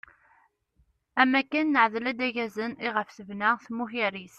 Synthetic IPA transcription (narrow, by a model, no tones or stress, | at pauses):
æmækːænːəʕðlæd̪æʝæzəniʁəfsəvnæθmuçiɾis